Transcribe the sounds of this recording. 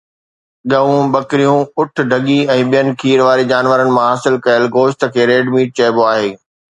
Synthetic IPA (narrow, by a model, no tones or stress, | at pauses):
ɠɐʋũɓɐkɾijũʊʈ̆ʰɖʱɐɠiɛ̃ːɓijənɪ̆kʰiːɾʋaːɾid͡ʑaːnʋəɾənɪ̆mãɦaːsɪlkɐəlɡoːʃt̪ə̆kʰeːɾeːɖmiːʈ̚t͡ɕɐɦboaːɦeː